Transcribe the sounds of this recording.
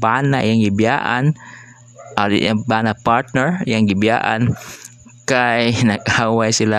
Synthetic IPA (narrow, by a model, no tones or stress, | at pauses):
baːnaʔɪjaŋɡɪbja̰ːʔa̰n | ʔa̰abaːnapaɹt̪̚nɛɹjaŋɡɪbja̰ːʔa̰n | kajnɐɡʔaːwajsɪla